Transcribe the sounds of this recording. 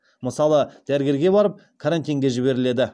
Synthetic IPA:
məsɑlˠəd̪̥æɾɪɡʲe̞ɾɡʲe̞bɑɾəp̚ | kʰaɾant̪ijŋɡʲe̞ʒɪbe̞ɾɪle̞d̪ɪ

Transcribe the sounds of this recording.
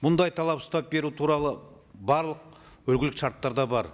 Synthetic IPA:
mʊnd̪ɑjt̪ʰɑlˠɑpsʊ̥t̪ɑp̚be̞ɾut̪ʰuɾɑlˠəbɑɾlˠəq̚ | wɵlɡʲɪlɪkʃɑɾt̪ːɑɾd̪ɑbɑɾ

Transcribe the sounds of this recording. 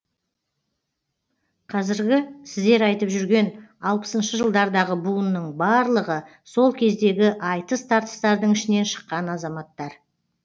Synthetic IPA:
qʰɑzɪɾɡʲɪsɪzd̪e̞ɾɑjt̪əpʒʏɾɡʲe̞nɑlˠpə̥sənʃəʒəlˠd̪ɑɾd̪ɑʁəbunːəɴbɑɾlˠəʁə | so̞lˠkʲʰe̞zd̪e̞ɡʲɪʔɑjt̪əst̪ʰɑɾt̪ə̥st̪ɑɾd̪əɪʃɪne̞nʃə̥qːɑnɑzɑmɑt̪ːɑɾ

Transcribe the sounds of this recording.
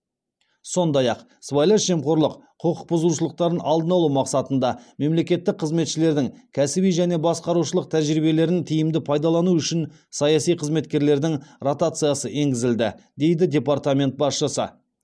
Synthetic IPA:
so̞nd̪ɑjɑq | svajleʃʒe̞mqo̞ɾlˠəqqʰoqʰəq̚bʊzluʃəlˠəq̚t̪ɑɾənɑlˠd̪ənɑlˠumɑqsɑt̪ənd̪ɑme̞mle̞kʲe̞t̪ːɪk̚qʰːəzme̞t̪ʃɪle̞ɾd̪ɪŋkʲʰæsɪbijʒæne̞bɑsqɑɾuʃəlˠəq̚t̪ʰæʒɾibe̞le̞ɾɪnt̪ʰijɪmd̪ɪpʰɑjd̪ɑlˠɑnuʏʃɪn | sɑjɑsijqʰəzme̞t̪kʲe̞ɾle̞ɾd̪ɪŋrot̪at̪sɨijɑsəʔe̞ŋɡʲɪzɪld̪ɪ̰d̪e̞jd̪ɪd̪ʲe̞part̪amʲe̞nt̪̚bɑsʃəsə̰

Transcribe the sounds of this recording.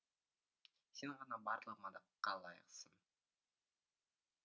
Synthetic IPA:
senʁɑnɑbɑɾlˠəqmɑd̪ɑqːɑlˠɑjə̰qsən

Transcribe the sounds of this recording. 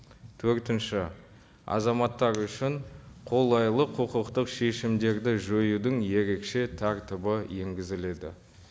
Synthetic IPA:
t̪ʰɵɾt̪ɪnʃɪ | ɑ̰zɑmɑt̪ːɑɾʏʃɪɴqʰo̞lˠɑjlˠəqʰəqəqt̪əqʃe̞ʃɪmd̪e̞ɾd̪ɪʒɵjud̪ɪŋje̞ɾe̞kʃe̞t̪ʰɑɾt̪ɪbəje̞ŋɡʲɪzɪle̞d̪ɪ̰

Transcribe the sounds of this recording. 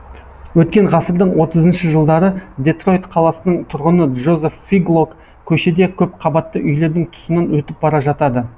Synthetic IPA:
wɵt̪̚kʲe̞ɴʁɑsəɾd̪əɴwo̞t̪əzənʃəʒəlˠd̪ɑɾəd̪e̞t̪ro̞jt̪qʰɑlˠɑsənəɴt̪ʰʊɾʁənəʒo̞zefːiɡlˠok | kʲʰɵʃed̪e̞kʲʰɵp̚qʰɑbɑt̪ːəʔʏjle̞ɾd̪ɪŋt̪ʰʊ̥sənɑnwɵt̪ɪp̚bɑɾɑʒɑt̪ɑd̪ə

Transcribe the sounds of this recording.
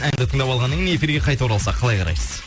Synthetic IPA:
nænd̪ɪt̪ʰəɴd̪ɑpɑlˠʁɑnːəŋʲɪnee̞fʲiɾɡʲe̞qʰɑjt̪ɑwoɾɑlˠsɑqʰɑlˠɑjqʰɑɾɑ̰jsəz

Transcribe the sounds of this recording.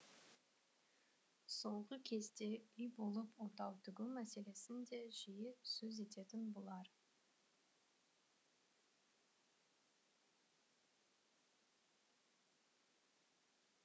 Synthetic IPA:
so̞ʁəkʲʰe̞zt̪e̞ʏjbo̞lˠəpwot̪ɑwt̪ʰʏɡʲɪwmæse̞le̞sɪnd̪e̞ʒijɪsɵze̞t̪e̞t̪ɪnbolˠɑɾ

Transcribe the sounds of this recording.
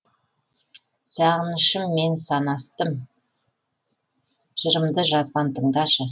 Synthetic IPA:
sɑʁənəʃəmːe̞nsɑnɑst̪əm | ʒ̥əɾəmd̪əʒɑzbɑnt̪ʰəɴd̪ɑʃə

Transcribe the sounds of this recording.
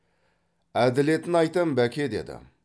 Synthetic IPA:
æd̪ɪle̞t̪ɪnɑjt̪əmbækʲʰe̞d̪e̞̰d̪ɪ̰

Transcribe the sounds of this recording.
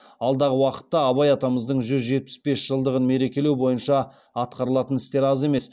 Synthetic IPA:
ɑlˠd̪ɑʁəwɑqə̥t̪ːɑɑβɑjɑt̪ɑməzd̪əɴʒʏzʒe̞t̪̚pɪ̥sbe̞sʒ̥əlˠd̪əʁənme̞ɾe̞kʲe̞lewbo̞jənʃɑ | ɑt̪̚qɑɾəlˠɑt̪ənɪst̪eɾɑze̞me̞s

